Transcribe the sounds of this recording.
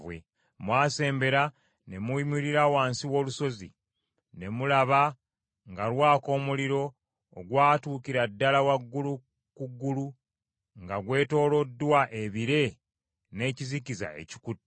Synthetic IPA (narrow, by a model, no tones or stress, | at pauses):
wḛ | mwaːse̞ːmbe̞ɾa | ne̞muimuɾiɾawaːnsiwo̞ːluso̞zḭ | ne̞mulaβa | ŋɡalwaːko̞ːmuliɾo̞ː | ɡwaːtuːkiɾadːalawaɡːulu | kuɡːulu | ŋɡaɡwe̞ːto̞ːlo̞dːwaʔe̞βiɾe̞ | ne̞ːcizikiza̰e̞̰ci̥kuti